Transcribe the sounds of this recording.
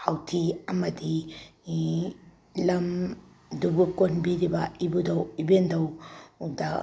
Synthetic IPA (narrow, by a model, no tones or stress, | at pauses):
hawtʰiɐmɐdi | lɐm | dubukonbiɾibɐibudɐwibendɐwda